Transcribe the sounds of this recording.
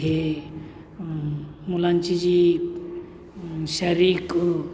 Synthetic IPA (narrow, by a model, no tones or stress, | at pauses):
e | mulant͡ʃid͡ʒi | ʃɐɾik